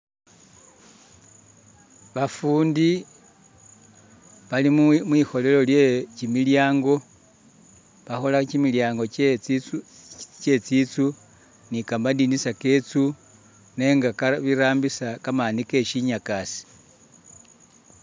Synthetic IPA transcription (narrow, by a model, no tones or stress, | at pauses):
βafuːndi | βalimmwixo̞le̞lo̞ljecimiljaːŋɡo̞ | βaxo̞lacimiljaːŋɡo̞ | ce̞t͡sit͡su | nikambandinisake̞t͡su | ne̞ːŋɡakaβiɾaːmbisakamanike̞ʃiɲakasi̥